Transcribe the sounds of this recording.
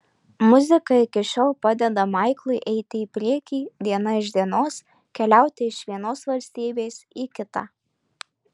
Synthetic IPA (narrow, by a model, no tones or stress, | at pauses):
mʊzʲɪkɐɪkʲɪʃʲoːlˠpɑd̪ʲɛd̪ɐmɐˑɪklˠʊɪʔɛɪt̪ʲɪipʲɾʲiɛkʲiːd̪ʲiɛnɐɪʒd̪ʲiɛnoːs | kʲɛlʲæˑʊt̪ʲɪɪʃʋʲiɛnoːsʋɐlʲsʲt̪ʲiːbʲeːsiːkʲɪt̪ɑ̰